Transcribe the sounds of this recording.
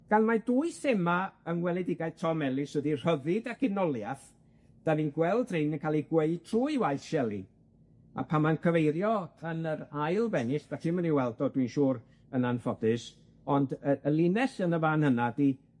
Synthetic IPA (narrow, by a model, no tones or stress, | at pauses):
ɡ̥anmaduɨsemaənwɛlˠɛdɪɡajð̥tʰɔmɛlˠɪswɛdir̥əðɨdakʰɪnɔlˠjaθ | d̥avinɡwɛlˠdrɪnənkʰaːlˠiɡweɨtʰruːɨwaɨθʃɛlˠḭ | a̰pʰamaənkʰəvejɾjɔənəɾajlˠvɛnɪsd̥atʰɪməniwɛlˠdɔdwinʃuːɾ | ənanfɔdɨs | ɔndəəlˠɪnɛsənəvaːnhənadi